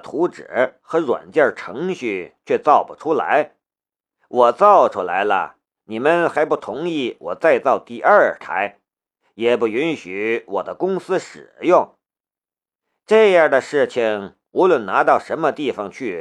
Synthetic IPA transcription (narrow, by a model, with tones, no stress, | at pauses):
t̪ʰu˧˥ʈ͡ʂɻ̩̰˨˩xɤ˧˥ɻwa̰˨˩nt͡ɕjɑ˥˩ʈ͡ʂʰɤ˧˥ŋɕy˥˩t͡ɕʰɥɛ˥˧t͡sɑ˥˩ʊpu˩ʈ͡ʂʰu˥la̰˧˥ɪ | wɔ˨˩t͡sɑ˥˩ʊʈ͡ʂʰu˥la˧˥ɪlə̰˧ | ni˨˩mə˧nxa˧˥ɪpu˥˩t̪ʰʊ˧˥ŋi˥˩wɔ˨˩t͡sa˥˧ɪt͡sɑ˥˧ʊt̪i˥˧ʔə˞˥˧˩t̪ʰa̰˧˥ɪ | jɛ˨˩pu˥˩y˧˥nɕy˧˥wɔ̰˨˩d̪ə˦kʊ˥ŋsɹ̩˥ʂɻ̩˨˩jʊ˥˩ŋ | ʈ͡ʂɤ˥˧jɑ˥˩d̪ə˩ʂɻ̩˥˩t͡ɕʰi˨˩ŋ | u˧˥lwə˥˩nna˧˥t̪ɑ˥˩ʊʂə˧˥nmə˧t̪i˥˩fɑ˨˩ŋt͡ɕʰy˥˩